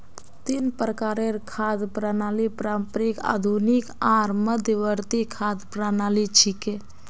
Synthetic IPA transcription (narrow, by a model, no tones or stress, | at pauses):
t̪inpɾəkaɾeɾkʰad̪pɾanaːlipɾampɾika̰d̪ʱunikaɾməd̪ʱjəʋəɾt̪ikʰad̪pɾanalit͡ʃʰike